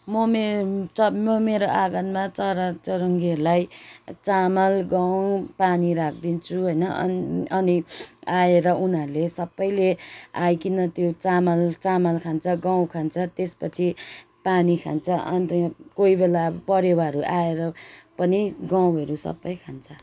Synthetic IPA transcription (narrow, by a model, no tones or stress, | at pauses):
mʌmet͡sʌmʌmeɾoʔaɡʌnmat͡sʌɾʌt͡sʌɾʌŋɡiɦʌɾulajt͡samʌlɡaw̃paniɾakʰd̪int͡sʰuɦojnʌʔʌ̰nʌniaeɾʌunɦʌɾulesʌbːʌjleajkinʌt̪jot͡samʌlt͡samʌlkʰant͡sʰʌɡaw̃kʰant͡sʰʌt̪espʌt͡sʰi | panikʰa̰nt͡sʰʌʔʌ̰nt̪ʌkoibelapʌɾewaɦɾuʔaeɾʌpʌniɡaw̃ʌɾusʌ̰bːʌjkʰant͡sʰʌ